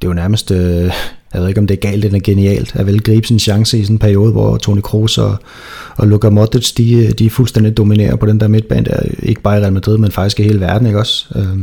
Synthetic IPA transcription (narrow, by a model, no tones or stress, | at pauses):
d̥e̝junæɐməsd̥øjɑʋeðˠeɡ̥ɒ̽md̥e̝æɐɡ̥ɛ̰ɪ̰ld̥enæɐɡ̥e̝niɛ̰ːld̥æʋelɡ̥ʁḭːb̥snn̩ɕɑ̈ŋsəisɔ̽n̩pʰæɐio̝ːð̞̩ˠʋɒ̰ːt͡sʰo̰nikʰʁo̝̰ːsɒ | ɒ̽loɡ̥ɐmɒd̥sd̥id̥iæfulsd̥en̰d̥id̥o̝minḛːɐpʰɒ̽ɾ̥end̥ḛɐme̝d̥̚b̥ɛ̰ːnd̥æɐe̝ɡ̥əb̥ɑ̈ːiʁælmæd̥ʁiðˠmenfɑ̈ɡ̥isɡ̥ie̝ːləʋæɐd̥n̩e̝ɡ̥ɒ̽sø